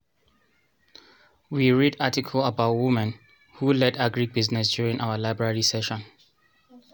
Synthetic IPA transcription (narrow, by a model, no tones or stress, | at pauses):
wiɹidatikʰələbaʊtwɪmɛ̃n | hulɛdaɡɹibiznɛs̬djuɹĩŋʔaʊəlaɪbɹaɹisɛʃɔ̃n